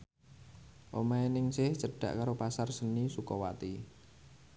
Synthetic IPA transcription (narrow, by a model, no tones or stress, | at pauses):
ʔomaenɪŋsɪht͡ʃəɖ̥ä̰ʔkaɾopasarsənisukɔwat̪i